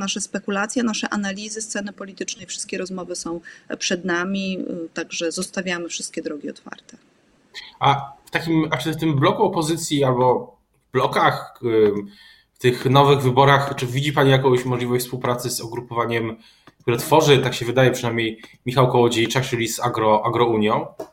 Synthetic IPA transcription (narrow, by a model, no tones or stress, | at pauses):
naʂɛspɛkulat̪sʲjɛnaʂɛʔanalʲizɘst̪sɛnɘpɔlʲit̪ɘt͡ʂnɛjfʂɘ̥st̪kʲɛɾɔzmɔvɘsɔ̃w̃pʂɛd̪namʲit̪aɡʐɛzɔst̪avʲjamɘfʂɘst̪kʲɛd̪ɾɔɡʲiɔ̰t̪fa̰ɾt̪ɛ̥ | aft̪akʲimat͡ʂɘft̪ɘmblɔkuɔpɔzɘt̪sʲjialbɔ | vblɔkax | ft̪ɘxnɔvɘɣvɘbɔɾaxt͡ʂɘvʲid͡ʑipaɲijakɔ̃w̃ɕmɔʐlʲivɔɕt͡ɕfspuwpɾat̪sɘsɔɡɾupɔvaɲɛm | kt̪uɾɛt̪fɔʐɘt̪akɕɛvɘd̪ajɛpʂɨnajmɲejmʲixawkɔwɔd͡ʑet͡ʂat͡ʂɘlʲizaɡɾɔʔaɡɾɔuɲjɔ̃w̃